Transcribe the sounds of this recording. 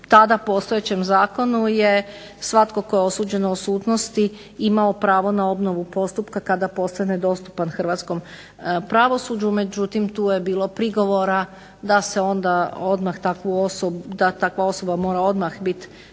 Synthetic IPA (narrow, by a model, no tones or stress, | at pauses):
t̪ad̪apo̞st̪ojet͡ɕe̞mzaːko̞nuje̞ | sʋat̪ko̞ko̞jeo̞suːd͡ʑe̞noːsuːt̪no̞st̪i | imaopɾaːʋo̞nao̞bno̞ʋupo̞st̪upkakad̪apo̞st̪aned̪o̞st̪u̥panxr̩ʋaːt̪sko̞m | pɾaʋo̞suːd͡ʑume̞d͡ʑut̪imt̪uːjebiːlo̞pɾiɡo̞ʋoɾa | d̪ase̞o̞nd̪ao̞d̪maxt̪akʋuosobd̪at̪akʋao̞so̞bamo̞ːɾao̞d̪maxbit̪